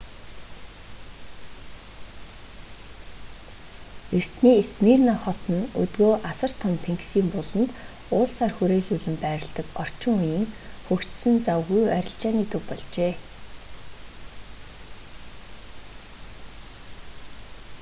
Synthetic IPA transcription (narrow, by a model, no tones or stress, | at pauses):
er̥t̪niːesmiːrnaχɔt̪ɞ̆nɵ̰t̪ɡoːʔasə̆r̥t̪ʰɔmt̪ʰeŋksiːmpʊɮɞ̆nt̪ | ʊːɮsaːrxuɾeːɮuɮɘ̆mpæːɾə̆ɮt̪ə̆kɔr̥t͡ɕɪ̆ŋʊjiːŋxɵkt͡ɕsɘ̆nt͡sawɣujœɾʲɪ̆ɬt͡ɕaːniːt̪ukpɔɮt͡ɕeː